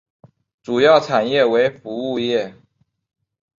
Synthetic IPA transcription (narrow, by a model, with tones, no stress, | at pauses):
ʈ͡ʂu˨˩jɑ˥˩ʊʈ͡ʂʰa˨˩njɛ˥˩we˧˥ɪfu˧˥u˥˧jɛ˥˩